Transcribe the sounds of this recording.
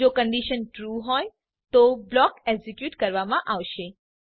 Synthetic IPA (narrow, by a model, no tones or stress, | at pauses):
okəɳɖiʃənʈɾuɦɔj | t̪oblɔkeɡzikjuʈkəɾʋamãʔaʋʃe